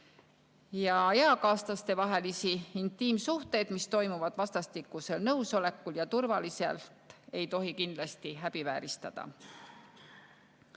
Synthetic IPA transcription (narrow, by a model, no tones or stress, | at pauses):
jɑeɑkɑːst̪lɑst̪e̞vɑɦe̞lisiint̪ːˑiːmsuht̪e̞jd̪̥mist̪o̞jmuvɑd̪̥vɑst̪ɑst̪ikːˑuse̞lnɤwso̞le̞kːuljɑt̪urvɑlise̞̰lt̪ˑe̞jt̪o̞ɦikind̪lɑst̪iɦæb̥ivæːɾist̪ɑd̪̥ɑ̰